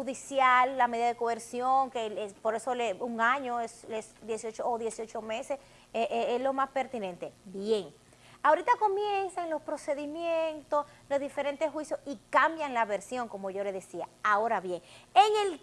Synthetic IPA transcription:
huðisjalːameðiðaðekoβeɾsjoŋkeespo̞ɾe̞so̞leuŋaɲoeslesd̪jesijot͡ʃoːðje̞sjo̞t͡ʃo̞me̞se̞s | eʔeeslo̞maspe̞ɾt̪inent̪e̞bje̞ŋ | aoɾit̪ako̞mjensaŋlo̞spɾo̞se̞ðimjent̪o̞slo̞zðife̞ɾe̞nt̪esxwisjosikambjaŋlaβe̞ɾsjo̞ŋko̞mo̞ʝo̞le̞ðe̞siaao̞ɾaβje̞ŋeŋe̞l

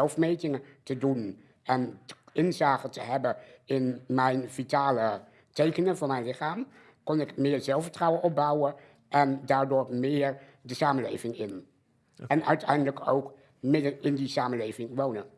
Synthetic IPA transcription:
ɛlˠfmejtɪŋətədun | ɛnɪnzaːχətəɦɛbəɪnmɛjnv̥itaːlə | tejkənəvʊːɹmɛjnlɪχaːm | kɔnɪkmɪːɹzɛlˠfəɹtrɑwənɔp̚bɑwə | ʔɛndaːɹdʊːɹmɪːɹdəsaːmənlejvɪŋɪn | ɛnœɥtʰɛ̰jndələko̰wk | mɪdənɪndisaːməlejvɪŋʋownən

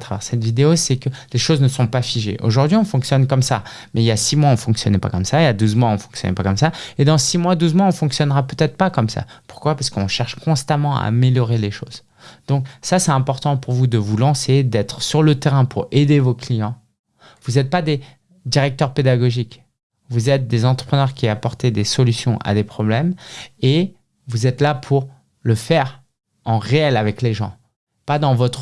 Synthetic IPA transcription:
t̪χavɛʁsɛt̪vid̪eosɛkəleʃoznəsɔ̃pafiʒḛʔo̰ʒuʁd̪ɥiɔ̃fɔ̃ksjɔnkɔmsa̰ | mɛilasimwaɔ̃fɔ̃ksjɔ̰nɛpa̰kɔmsailad̪uzmwaɔ̃fɔ̃ksjɔ̰nɛ̰pakɔmsaed̪ɑ̃simwad̪uzmwaɔ̃fɔ̃ksjɔnʁapøt̪ɛt̪χpakɔmsa̰pu̥ʁkwapaʁskɔ̰̃ʃɛʁʃkɔ̃st̪amɑ̃a̰ːmeljɔʁeleʃoz | d̪̥ɔ̃ksasɛɛ̃pɔʁt̪ɑ̃puʁvud̪əvulɑ̃sed̪ɛt̪χəsyʁlət̪eʁɛ̃pʰuʁed̪evoklijɑ̃ | vuzɛt̪̚pad̪e | d̪iʁɛk̚t̪œʁped̪aɡɔʒik | vuzɛt̪̚d̪ezɑ̃t̪χəpχənœʁkʲiapɔʁt̪ed̪esɔlysjɔ̃ʔa̰d̪epχɔblɛme | vuzɛt̪lapʰuʁ | ləfɛʁ | ɑ̃ʁeɛlavɛkleʒɑ̰̃ | pad̪ɑ̃vɔt̪χ

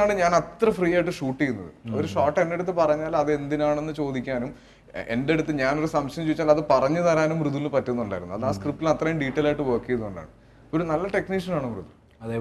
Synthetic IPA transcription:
aːɳɨɲaːnɐt̪rɐfriːjaːjiʈ̬ːɨʂuːʈːijunːɐðɨ̰o̞̰ɾuʂaːʈːe̞nde̞ɽut̪ːɨpɐrɐɲːaːlɐðɨe̞nd̪inaːɳe̞nːɨt͡ɕo̞ːd̪ikʲːaːnum | e̞̰nde̞ɽut̪ːɨɲaːno̞ɾusɐmɕɐjɐmt͡ɕuːʋit͡ɕːaːlɐðɨpɐrɐɲːɐt̪ɐɾaːnumruðuilnɨmpɐtːuɐnːuɳɖaːjiɾunːuɐðaːskrip̚ʈːilɐt̪rɐjmɖiːʈːɐlaːjʈːɨʋɐːkːijɐnːuɳɖa̰ːɳɨ | o̞ɾunɐlːɐʈe̞kniːʂɐnaːɳumrɨ̰ðul | ɐð

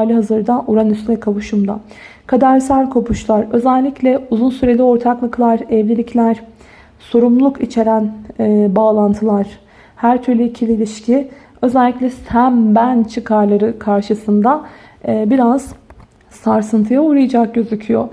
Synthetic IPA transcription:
alʲiɦazɯɾd̪aʔuɾanyst̪ynʲɛkʰaβuʃumd̪a | kʰad̪æɾsælʲkʰo̞pʰuʃlˠaɾø̞zælʲːiclʲɛuzunsyɾe̞lʲio̞ɾt̪ʰaklˠaklˠaɾɛvlʲilʲicʰlʲæɾ̥ | so̞ɾumlˠukit͡ʃʰe̞ɾænːbaːlˠant̪ʰɯlˠaɾ̥ | hæɾt̪ʰyɾlʲyicʰilʲiːlʲiʃcʰi | ø̞zɛlʲːicʲlʲɛsæmbænt͡ʃʰɯkʰaɾlˠaɾɯkʰaɾʃɯsɯnd̪a | biɾaz̥ | saɾsɯnt̪ʰɯjauɾajad͡ʒak̚ɟø̞zycʰyjo

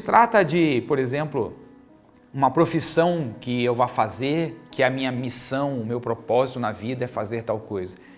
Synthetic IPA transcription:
ɪt̪ɾat̪ɐd͡ʒɪpoɾezẽmplʊ̰ | ũmɐpɾofisɐ̃w̃kɪewvafazeɾkɪɛɐmĩɲɐmisɐ̃w̃ʊmewpɾopɔzit̪ʊnɐvid̪ɐɛfazeɾt̪awkojzɐ

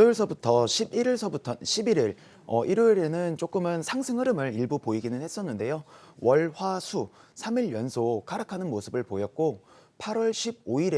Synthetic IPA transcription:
oɭsʰʌbutʰʌɕʰibiɾiɭsʰʌbutʰʌɕʰibiɾiɭ | ʌʔiɾoiɾe̞nɯnt͡ɕ͈ok͈ɯmɯnsʰaŋsʰɯŋɯɾɯmɯɾiɭbupoiɡinɯnhe̞s͈ʌnːɯnde̞jowʌɭɸwasʰusʰamiɭjʌnsʰokaɾɯkʰanɯnmosʰɯbɯɭpojʌt̚k͈opʰaɾwʌɭɕʰib̚oiɾe

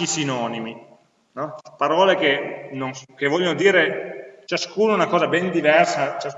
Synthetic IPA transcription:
isinɔːnimi | nɔpaɾɔːlekenonkevːɔʎːonod̪iːɾet͡ʃaskuːnounakɔːzabɛnd̪ivɛrsat͡ʃa

